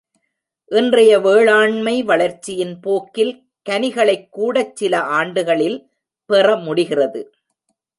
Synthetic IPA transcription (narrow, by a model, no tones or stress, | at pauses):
ʔɪndrɐjɐʋeːɭaːɳmɐɪʋɐɭɐɾt͡ʃːɪjɪnpoːkːɪl | kɐnɪɣɐɭɐɪkːuːɽɐt͡ʃːɪlɐʔaːɳɖɯɣɐɭɪl | pɛrɐmʊɽɪɣɪrɐðɯ̰